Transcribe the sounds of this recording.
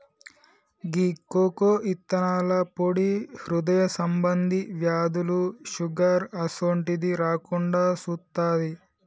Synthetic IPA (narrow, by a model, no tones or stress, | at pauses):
ɡiːkːoːkoːʔit̪ːɐnaːlɐpoɽihɾud̪ɐjɐsɐmbɐnd̪iʋjaːd̪uluʃuɡaːɾɐsoːɳʈid̪iɾaːkuɳɖaːsut̪ːaːji